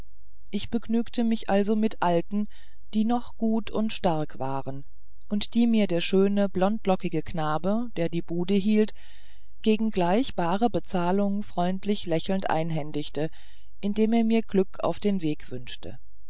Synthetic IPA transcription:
ʔɪçb̥əɡnyːktʰəmɪçʔalzomɪtʔaltn̩ | d̥iːnɔχɡ̥uːtʰʊntʃtaɐkv̥a̰ːʁən | ʔʊntd̥iːmiːɐdeːɐʃøːnəblɔnt̚lɔkɪɡəkʰnaːbəd̥eːɐdiːbuːdəɦiːlt | ɡ̥eːɡŋ̩ɡlaɪçb̥aːʁəbət͡saːlʊŋəfʁ̥ɔʏntʰlɪçlɛçl̩n̩tʔa̰ɪnɦɛndɪçtə | ʔɪndeːmeːɐmiːɐɡlʏkʰa̰ʊfd̥eːnveːkv̥ʏnʃtə̰

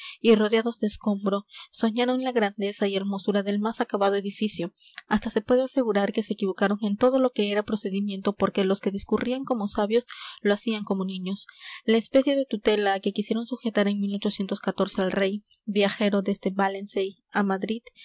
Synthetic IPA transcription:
iro̞ð̞jaðo̞zd̪eːsko̞mbɾo̞so̞ɲaɾo̞nlaɣɾand̪e̞saie̞ɾmo̞suɾaðe̞lmasakaβaðoe̞ðifisjo̞ast̪ase̞pwe̞ðease̞ɣuɾaɾke̞se̞ːkiβo̞kaɾo̞ŋe̞nt̪o̞ð̞o̞lo̞ke̞eɾapɾo̞se̞ðimje̞nt̪o̞po̞ɾke̞lo̞ske̞ðiskurʔiaŋko̞mo̞saβjo̞sloasiaŋko̞mo̞nĩɲo̞slaespe̞sje̞ðe̞t̪ut̪e̞lake̞kisje̞ɾo̞nsuxe̞t̪aɾe̞ŋmilo̞t͡ʃo̞sje̞nt̪o̞skat̪o̞ɾse̞alre̞j | bjaxe̞ɾo̞d̪esd̪e̞βalensej | amaðɾið

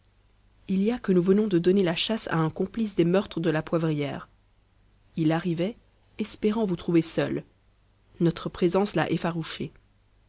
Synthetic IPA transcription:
iljakənuvənɔ̃d̪əd̪ɔnelaʃasa̰ɛ̃kɔ̃plis̬d̪emœʁt̪χəd̪əlapwavʁijɛ̰ːʁ | ilaʁivɛ | ɛspeʁɑ̃vut̪χuvesœl | nɔt̪χəpχezɑ̃sla̰ʔɛfaʁuʃe

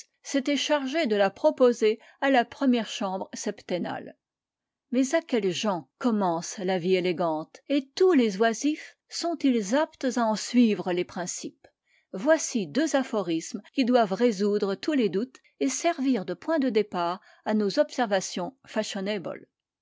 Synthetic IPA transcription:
set̪ɛʃaʁʒed̪əlapχɔpoze | alapχəmjɛʁʃɑ̃bʁsɛpt̪ena̰l | mɛzakʲɛlʒɑ̃kɔmɑ̃slavieleɡɑ̃t̪et̪ulezwazif | sɔ̃t̪ilzapt̪zaɑ̃sɥivʁəlepχɛ̃sip | vwasid̪øzafɔʁismkʲid̪wavʁezud̪ʁət̪uled̪ut̪ | esɛʁviʁd̪əpwɛ̃d̪əd̪epaːʁ | anozɔpsɛʁvasjɔ̃faʃɔnebɔ̰l

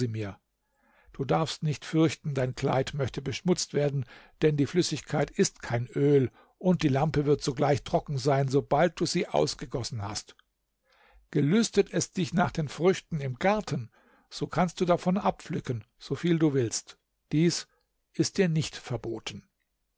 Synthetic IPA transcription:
iːmiːɐ | d̥uːdaɐfstnɪçtfʏɐçtn̩daɪnkʰl̥a̰ɪtmœçtəbəʃmʊt͡stv̥eːɐdn̩d̥ɛndiːflʏsɪçkʰaɪtɪstkʰaɪnʔøːl | ʔʊnt̚d̥iːlampəvɪɐtz̥oːɡlaɪçtʁ̥ɔkŋ̩zaɪnzobalt̚d̥uːziːʔa̰ʊsɡ̥əɡɔsn̩hast | ɡ̥əlʏstətʰɛsd̥ɪçnaːχd̥eːnfʁ̥ʏçtn̩ɪmɡaɐtʰən | z̥oːkʰanst̚d̥uːdafɔnʔapflʏkən | z̥oːfiːlduːvɪlst | d̥iːs | ʔɪst̚d̥iːɐnɪçtfɛɐboːtʰən̩

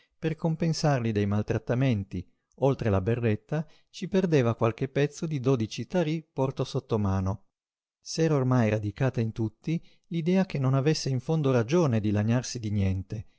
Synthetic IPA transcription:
perkompensarlid̪ejmalt̪ɾat̪ːament̪i | olt̪ɾelaberːet̪ːa | t͡ʃiperd̪eːvakwalk̟epːɛt̪sːod̪id̪oːd̪it͡ʃit̪aɾipɔrt̪osot̪ːomaːno | sɛːɾaormajɾad̪ikaːt̪aint̪ut̪ːi | lid̪ɛːak̟enːonavesːeiɱfond̪oɾad͡ʒoːned̪ilaɲarsid̪injɛnt̪e

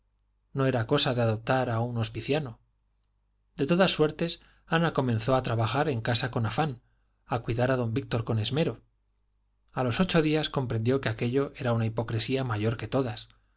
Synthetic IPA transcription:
no̞e̞ɾako̞saðeaðo̞p̚t̪aɾauno̞spiθjano | d̪e̞t̪oðasːwe̞ɾt̪e̞s | anako̞mẽnθo̞at̪ɾaβaxaɾe̞ŋkasako̞nafan | akwiðaɾaðo̞mbik̚t̪o̞ɾko̞ne̞zme̞ɾo̞ | alo̞so̞t͡ʃo̞ðiasko̞mpɾe̞nd̪jo̞ke̞ake̞ʎo̞ʔe̞ɾaunaipo̞kɾesiamaʝo̞ɾke̞t̪o̞ðas

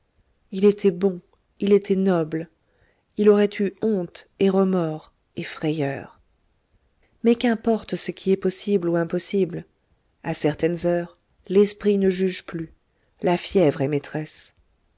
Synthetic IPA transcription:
ilet̪ʰɛbɔ̃ | ilet̪ʰɛnɔbl | ilɔʁɛt̪ʰyɔ̃t̪eʁəmɔʁ | efχɛjœ̰ːʁ | mɛkɛ̃pɔʁt̪səkʲʰiɛpɔsibluɛ̃pɔsibl | asɛʁt̪ɛnzœʁ | lɛspχinəʒyʒply | lafjɛvʁɛmet̪χɛs

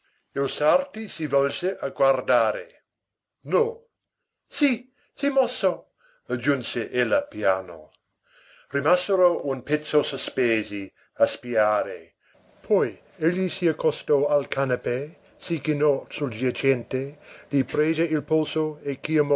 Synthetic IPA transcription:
ilsart̪isivɔlseʔaɡward̪aːɾḛ | nɔ | si | simɔso | ad͡ʒunseʔelːapjaːno̰ | rimaseɾounpɛt̪sːosospeːzi | aspiaːɾḛ | pʰɔj | eʎːisiakʰːɔst̪oalkʰanape | sikinɔsuld͡ʒat͡ʃɛnt̪elipɾeːzeilpolsoekːiamɔ

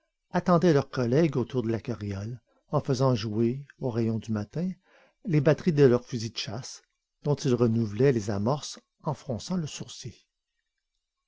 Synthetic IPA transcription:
at̪ɑ̃d̪ɛlœʁkɔlɛɡot̪uːʁd̪əlakaʁjɔl | ɑ̃fəzɑ̃ʒueoʁɛjɔ̃d̪ymat̪ɛ̃ | lebat̪ʁid̪əlœʁfyzid̪əʃas | d̪̥ɔ̃t̪ilʁənuvlɛlezamɔʁs | ɑ̃fχɔ̃sɑ̃ləsuʁsje

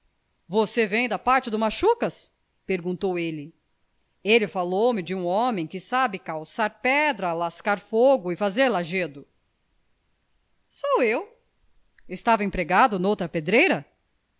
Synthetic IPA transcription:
vosevẽj̃d̪ɐpaɾt͡ʃɪd̪ʊmaʃukɐs | peɾɡũnt̪owelɪ | elɪfalowmɪd͡ʒɪũɔ̃mẽj̃kɪsabɪkawsaɾpɛd̪ɾɐlaskaɾfoɡʊɪfazeɾlaʒed̪ʊ | sowew | ɪst̪avɐẽpɾeɡad̪ʊnowt̪ɾɐped̪ɾejɾɐ

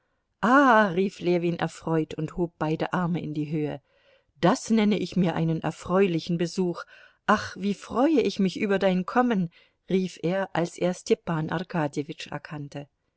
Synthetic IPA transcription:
ʔaːʁiːfleːvinʔɛ̰ɐfʁ̥ɔʏtʊnthoːp̚b̥aɪdəʔaɐməɪ̰ndiːɦøːə | d̥asnɛnəʔɪçmiːɐʔa̰ɪnənʔɛ̰ɐfʁ̥ɔʏlɪçn̩bəzuːx | ʔaχv̥iːfʁ̥ɔʏəɪçmɪçʔyːbɐdaɪnkʰɔmən | ʁiːfʔeːɐʔalsʔḛːɐstʰɛpaːnʔa̰ʁkʰaːdjevɪt͡ʃɛ̰ɐkʰantə

